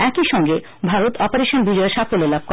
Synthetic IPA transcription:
ɛkiʃɔŋɡe | bʱaɾot̪ʰɔpoɾeʃonbid͡ʑɔeɾʃafʰolelab̚ʱkɔ

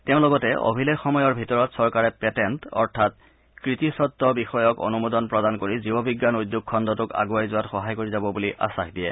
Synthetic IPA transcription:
teʊ̃lɔɡɔtɛʔo̰bʱilekxɔmɔjɔɹbʱitɔɹɔtsɔɹkaɹɛpɛtɛntɔ̰ɹtʰat̚ | kɹitisɔt̪ːɔbixɔjɔko̰numodɔnpɹɔdankoɹizibɔbʱiɡːanujd̪ːuk̚ʰːɔndɔtʊka̰ɡuajzʊwatxɔɦajkoɹizabɔbuliʔʔa̰saxdijɛ

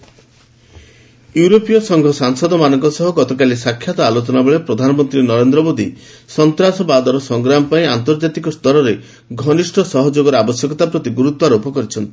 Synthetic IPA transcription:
juɾopijɔsɔŋɡʱɔsaŋsɔd̪ɔmanɔŋkɔsɔɦɔɡɔt̪ɔkalisakʰːjat̪ɔalot͡ʃɔnabeɭepɾɔd̪ʱanɔmɔnt̪ɾinɔɾend̪ɾɔmod̪isɔnt̪ɾasɔbad̪ɔɾɔsɔŋɡɾamɔpaĩant̪ɔɾd͡ʒat̪ikɔst̪ɔɾɔɾe | ɡʱɔnisʈʰɔsɔɦɔd͡ʒoɡɔɾabɔsjɔkɔt̪apɾɔt̪iɡuɾut̪ɔaɾopɔkɔɾit͡ʃʰɔnt̪i̥

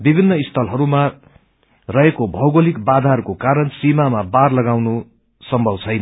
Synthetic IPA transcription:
bibʱinːʌist̪ʰʌlɦʌɾuma | rʌɦekobʱʌwɡolikbad̪ʱarkokaɾʌnsimamabarlʌɡawno | sʌmbʱʌbt͡sʰʌjnʌ

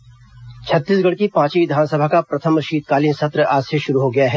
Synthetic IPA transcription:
t͡ʃʰɐt̪ːiːsɡɐɽkipãːt͡ʃiʋɪd̪ʱaːnsəbʱakapɾɐt̪ʰəmɾəʃiːd̪̚kaːlinsɐt̪ɾəʔaːseʃʊɾuɦoɡɐjaɦɛː

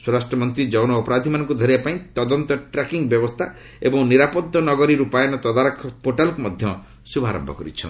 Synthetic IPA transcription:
swɔɾasʈɾɔmɔnt̪ɾid͡ʒɔwnɔːpɔɾad̪ʱimanɔ̃ŋkud̪ʱɔɾibapaĩt̪ɔd̪ɔnt̪ɔʈɾekiŋɡbjɔbɔst̪ʰa | ebɔŋniɾapɔd̪ʱːɔnɔɡɔɾiɾupajɔnɔt̪ɔd̪aɾkʰːɔpoʈalkumɔd̪ʱjɔ | subʱa̰ɾɔ̰mbʱɔ̰kɔɾḭt͡ʃʰɔ̰n

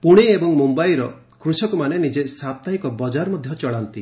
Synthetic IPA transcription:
puɽ̃iebɔŋmumbajɾɔ | kɾusɔkumanenid͡ʒesap̚t̪aɦikɔbɔd͡ʒaɾmɔd̪ʱjɔt͡ʃɔɭant̪i

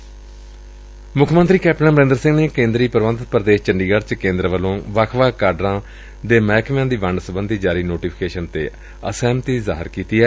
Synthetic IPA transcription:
mʊkʰmənt̪ɾiːkɛːpʈə̃nbəɾẽːnd̪əɾsɪ̃ŋɡneːkẽːnd̪ɾiːpəɾʋə̃nd̪ət̪̚pəɾd̪eːʃt͡ʃəɳɖiːɡəɖt͡ʃkẽːnd̪ɾəʋəlõːʋakʰʋaːkaːɾɖɾãː | d̪eːmɛːkʰʋãːd̪iːʋəɳɖsəbənd̪ʱiːd͡ʒaːɾiːnoːʈiːpʰɪkeːʃənt̪eː | əsɛːmt̪iːza̰ːɦɪ̰ɾkiːt̪iːɛː

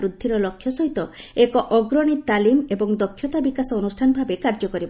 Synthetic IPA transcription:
ɾud̪ʱːiɾɔlɔkʰːjɔsɔɦit̪ɔekɔʔɔɡɾɔɽ̃it̪alimebɔŋd̪ɔkʰːjɔt̪abikasɔːnusʈʰanɔbʱabekaɾd͡ʒɔkɔɾibɔ

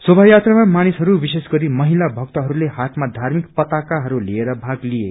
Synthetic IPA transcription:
sobʱajat̪ramamanisɦʌɾubisesɡʌɾimʌɦilabʱʌk̚t̪ʌɦʌɾulehat̪ʰmad̪ʱarmikpʌt̪akaɦʌɾulieɾʌbʱaɡlie

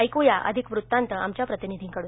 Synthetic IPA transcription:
əjkujaʔə̰d̪ʱikʋɾut̪ːant̪əamt͡ɕjapɾət̪inid̪ʱiːŋkəɽu

